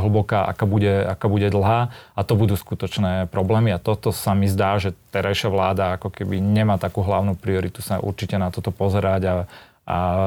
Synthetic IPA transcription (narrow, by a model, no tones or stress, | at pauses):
ɦl̩bɔkaːʔa̰kaːbuɟɛakaːbuɟɛd̪l̩ˠɦaːat̪ɔbud̪uːskut̪ɔt͡ʃnɛːpɾɔblɛːmiat̪ɔt̪ɔsamizd̪aːʒɛt̪ɛɾajʃɪaʋlaːd̪aakɔkɛbiɲɛmaːt̪akuːɦlaʊnupɾiɔɾit̪usaʔṵɾt͡ʃicɛnat̪ɔt̪ɔpɔzɛɾaɟa | a̰